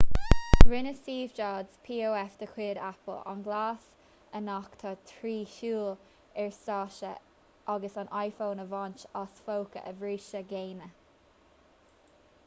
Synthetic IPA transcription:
ɡ̥ɹɪnəsiːvd͡ʒɑːdz̥pʰiːoːɛfd̪̥əkʰwɪːdapəla̰nɡlaːs | ənakt̪ʰɑt̪ʰɹiːçuːl | ɛɹsɑːʃə̰ | ʔaɡəsanʔajfoːnəvɑnt͡ʃasfowkə̰ʔəvɹiːʃəɡeːnə

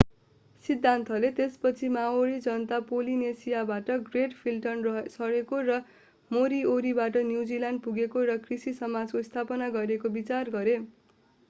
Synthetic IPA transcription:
sid̪ʱːant̪ʰʌlet̪espʌt͡sʰimaoɽid͡zʌnt̪apolinesijabaʈʌɡreʈpʰilʈʌnsʌɽekorʌ | moɾioɾibaʈʌnjud͡zilanɖ̚puɡekoɾʌkrisisʌmad͡zkost̪ʰapʌnaɡʌɾekobit͡sarɡʌɾe

